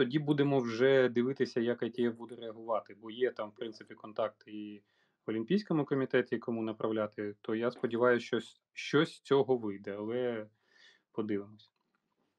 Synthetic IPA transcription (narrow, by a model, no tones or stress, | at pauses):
t̪ɔdʲibud̪emɔwʒɛd̪ɪʋɪt̪ɪsʲɐjɐkjɐkʲijɛbud̪ɛɾeɐɦʊʋɑt̪ɪbɔjɛt̪ɑmfpɾɪnsɪpʲikɔnt̪ɑk̚t̪ɪi | ʋɔlʲimʲpʲijsʲkɔmʊkɔmʲit̪ɛt̪ʲikɔmunɐpɾʔɐwlʲat̪ɪt̪ɔjaspɔdʲiʋɑjʊʃt͡ʃɔ | ʃt͡ʃɔsʲst͡sʲɔɦɔʋɪjd̪ɛɐlˠɛ | pɔd̪ɪʋɪmɔsʲɐ̥